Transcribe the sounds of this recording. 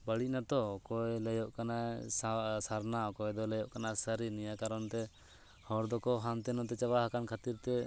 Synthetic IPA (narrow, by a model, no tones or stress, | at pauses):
bəɽinat̪ɔkɔjlɛjɔʔkanasasaɾnaɔkɔjd̪ɔlɛjɔʔkanasəɾinijakaɾɔnt̪ɛ | hɔɾd̪ɔkɔɦant̪ɛnɔt̪ɛt͡ʃabaɦakankʰat̪iɾt̪ɛ